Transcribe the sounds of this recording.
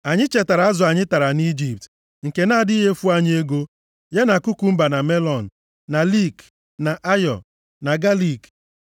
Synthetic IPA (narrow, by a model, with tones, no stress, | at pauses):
a˨ɲɪ˦t͡ʃe˨ta˨ɾa˨˦a˦zʊ˨a˨ɲɪ˦ta˨ɾa˨ni˦d͡ʒi˨p̚t | ŋ̩˨ke˨na˦˨di˦ɦe˦fu˦a˦ɲ˦e˦ɡo˦ | je˦na˨kʊ˦ku˨m̩˦ba˨na˨me˦lɔ˨n̩˨ | na˨li˦˨k | na˨ʔa˦jɔ˨ | na˨ɡa˦li˦˨k